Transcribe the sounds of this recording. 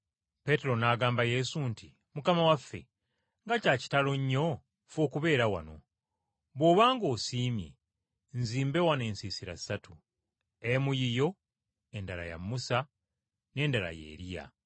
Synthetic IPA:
pe̞te̞ɾo̞naːɡaːmbaje̞sunti | mukamawafːe̞̰ | ŋɡacaːci̥talo̞ɲːo̞ | foːkuβe̞ːɾawa̰no̞̰ | βwo̞ːβaːŋɡo̞ːsiːmjḛ | nziːmbe̞wane̞ːnsiːsiɾa̰satu | emujijo̞ | endaɾa̰ja̰mːusa | ne̞ːndaɾa̰jḛːɾija̰

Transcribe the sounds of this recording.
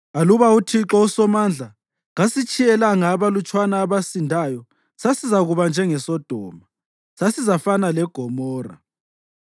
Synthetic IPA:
aluβautʰiǁɔusɔmand͡ɮʱa | ɣasit͡ʃʼijɛlaŋaːβalut͡ʃʼwanaːβasindʱaːjɔ | sasizaɣuβand͡ʒʱɛŋɛsɔd̥ʱɔːma | sasizafanalɛɡ̥ʱɔmɔːra̰

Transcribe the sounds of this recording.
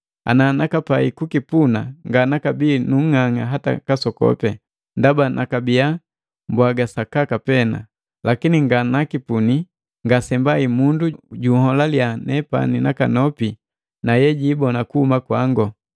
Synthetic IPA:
a̰nanakapaikukipunaŋɡanakabinuŋ̩ŋaŋaɦata̰kasɔkɔ̰pɛ | ndabanʔakabija | mbwaɡasakakapɛna̰ | lakiniŋɡanakipuni | ŋɡasɛmbaimunduɟuhɔlaljanɛpa̰ninakanɔpi | najɛɟibɔnakuhumakwaŋɡɔ

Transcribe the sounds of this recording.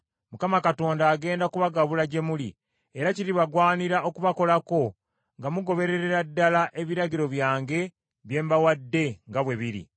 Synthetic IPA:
mukamakato̞ːndaːɡe̞ːndakuβaɡaβulaɟe̞muli | eɾaciɾiβaɡwaːniɾaʔo̞kuβako̞lako̞ | ŋɡamuɡo̞βe̞ɾe̞ɾe̞ɾadːalaʔe̞βiɾaɟiɾo̞βjaːŋɡe̞ | βje̞ːmbawadːe̞ŋɡaβwe̞βiɾḭ

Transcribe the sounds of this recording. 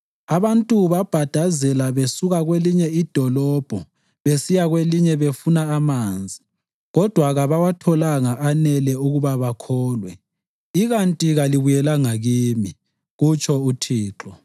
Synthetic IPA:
aβantʼuβab̥ʱad̥ʱazɛlaβesuɣaɣweliɲɛid̥ʱɔlɔb̥ʱɔ | βesijaɣweliɲɛβefunaːmaːnd͡zʱi | ɣɔd̥ʱwaɣaβawatʰɔlaŋaʔanɛlɛuɣuβaβakʰɔːlwɛ | iɣantʼiɣaliβujɛlaŋaɣiːmi | ɣut͡ʃʰʼɔutʰiːǁɔ

